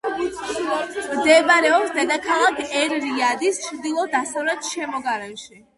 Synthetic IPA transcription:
md̪ɛbɾɛɔpsd̪ɛd̪akʰalakɛɾɾiad̪ist͡ʃʰɾd̪ilˠɔd̪asavlɛt̪ʃɛmɔɡaɾɛmʃi

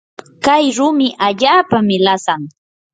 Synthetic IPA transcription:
kajɾʊmɪʔaʎaːpamɪlasaŋ

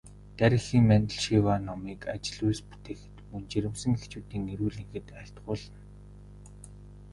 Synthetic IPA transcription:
t̪æɾʲɪ̆xiːŋmænʲt̪ə̆ɮʃiwaːnɔmiːka̰t͡ɕɪ̆ɮujspu̥t̪eːxɘ̥̆t̪munt͡ɕiɾʲɘ̆msə̆ŋext͡ɕuːt̪iːŋeɾuːɮiŋxɘ̆t̪æːɬt̪ɢʊːɮə̆n

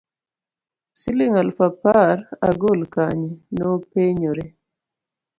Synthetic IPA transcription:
siliŋalfapaɾa̰ɡolkaɲinopeɲoɾɛ

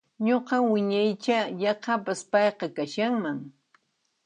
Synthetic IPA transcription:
ɲoqɑwɪɲajt͡ʃajɑqɑpaspɑjqɑkaʃaŋmaŋ

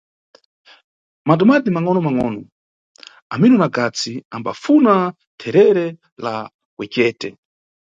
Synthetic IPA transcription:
matɔmadimaŋɔnɔmaŋɔːnɔ | aminɔnakat͡siamba̰funa | tʰɛɾɛɾɛ | la̰ | wɛkɛːtɛ

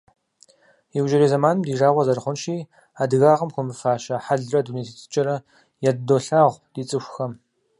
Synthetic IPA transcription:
jɪwʒɪɾiːzɐmaːnɨmdiːʒaːʁʷɐzɐrχʷʊnʃiː | aːdɨɣaːʁəmxʷʊmɨfaːʃɐħaɮrɐduneːtʰit͡sʰʼɨ̥t͡ʃʼɐɾɐ | jaddoːɬaːʁʷd̥iːt͡sʼɨxʷxɐm

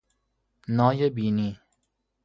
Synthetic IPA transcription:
nɔːjəbiːni

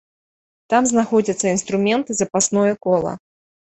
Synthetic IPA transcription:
t̪amznaxɔd͡zʲɐt̪sːɐin̪st̪ɾumʲɛnt̪ɨzɐpasnɔjɐkɔlˠɐ̰

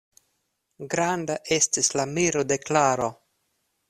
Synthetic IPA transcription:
ɡɾandaʔe̞stislamiɾo̞deklaɾo̞

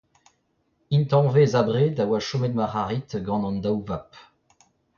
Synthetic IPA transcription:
int̪ɑ̃vezabʁed̪awaʃomɛd̪maʁaʁit̪ɡɑ̃nɑ̃nd̪awvap

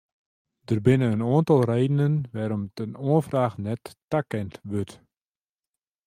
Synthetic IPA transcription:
dərbɪnənənoəntɑlˠreːdənənʋɛːɾɔmtənoəfraːxnɛtːakɛntʋøt

